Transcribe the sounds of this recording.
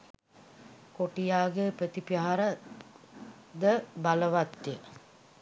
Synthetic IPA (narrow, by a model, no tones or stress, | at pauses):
koʈijaːɡepɾət̪ipaɦaɾə | d̪əbaləʋat̪jə